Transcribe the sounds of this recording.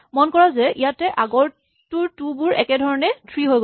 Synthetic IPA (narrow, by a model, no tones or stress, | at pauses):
mɔnkɔɹazɛijatɛʔaɡɔɹ | tʊɹtubʊɹɛkɛdʱɔɹɔnɛtʰɹiɦojɡ